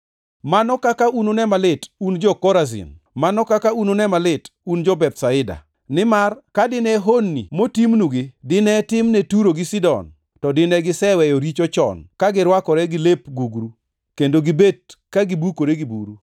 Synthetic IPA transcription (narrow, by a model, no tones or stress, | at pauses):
manɔkakaunonɛmalɪtund͡ʒɔkɔɾazɪ̰n | manɔkakaunonɛmalɪtund͡ʒɔbɛtsaɪda̰ | nɪmarkadɪnɛɦonːḭmotimnuɡɪdɪnɛtɪmnɛtuɾoɡɪsɪdɔ̰n | tɔdɪnɛɡɪsɛwɛjoɾit͡ʃot͡ʃɔ̰nkaɡɪɾwakɔɾɛɡɪlepɡuɡɾu | kendoɡɪbed̚kaɡibukoɾeɡibṵɾu